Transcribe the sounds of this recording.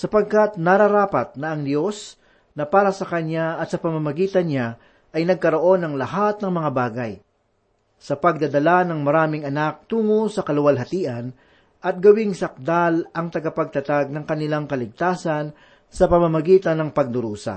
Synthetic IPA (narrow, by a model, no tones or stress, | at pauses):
sɐpɐɡ̚kat̪nɐɾɐɾaːpɐt̪̚nɐʔːŋd̪jo̞s | nɐpaːɾɐsɐkɐnaɐt̪sɐpɐmamɐɡiːt̪ɐnɲa | ʔɐjnɐɡ̚kɐɾo̞ʔo̞nɐŋlɐhat̪̚nɐŋmɐŋabaːɡɐj | sɐpɐɡ̚d̪ɐd̪ɐlanɐŋmɐɾaːmɪŋɐnak̚t̪uːŋosɐkɐlʊwɐlɦɐt̪iːʔɐn | ʔɐt̪̚ɡɐwɪŋsɐk̚d̪alʔɐŋt̪ɐɡapɐɡ̚t̪ɐt̪aɡ̚nɐŋkɐnɪlaŋkɐlɪɡ̚t̪aːsɐn | sɐpɐmamɐɡiːt̪ɐnɐŋpɐɡ̚d̪ʊɾuːsɐ̰